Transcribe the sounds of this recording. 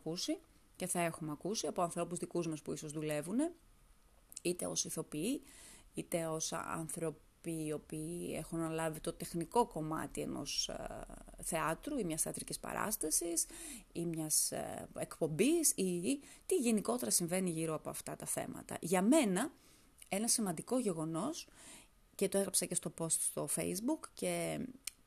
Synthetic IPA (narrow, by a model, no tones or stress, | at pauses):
kusi | ce̞θɐe̞xumeɐkusiɐpoɐnθɾo̞puzðikuzmɐspuiso̞zðule̞vune̞ | it̪e̞̰o̞siθo̞piiit̪e̞o̞sɐ̰nθɾo̞piːo̞piːe̞̰xunːɐlɐvit̪o̞t̪e̞xniko̞ko̞mɐ̰t̪iḛno̞̰s | θe̞ɐt̪ɾuimɲɐsθeɐt̪ɾicispɐ̰ɾɐ̰st̪ɐsisimɲɐsekpo̞mbisit̪iʝe̞niko̞t̪e̞ɾɐsiɱve̞niʝiɾoɐpo̞ɐft̪ɐt̪ɐθe̞̰mɐ̰t̪ɐ̰ʝɐme̞nɐ | e̞nɐsimɐnd̪iko̞ʝe̞ɣo̞no̞s | cet̪oeɣɾɐpsɐce̞st̪o̞po̞st̪st̪o̞fe̞̰izbukce̞